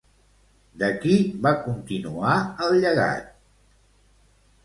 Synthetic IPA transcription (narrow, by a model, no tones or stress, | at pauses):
d̪əkiβakunt̪inuaəlˠʎəɣa̰t̪̚